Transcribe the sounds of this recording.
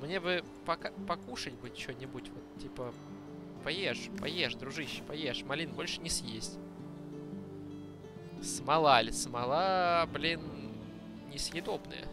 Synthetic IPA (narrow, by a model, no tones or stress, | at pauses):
mnʲebɨ | pɐkapɐkuʂɨtʲbɨt͡ɕonʲɪbutʲvot̪tʲːipə | pɐjeʂpɐjeʂd̪ɾʊʐɨɕːpɐjeʂmɐlʲinbo̞lʲʂɨ̥nʲɪsʲjesʲtʲ | smɐlˠalʲsmɐlˠablʲin | nʲɪsjɪd̪obnɨ̰jə̰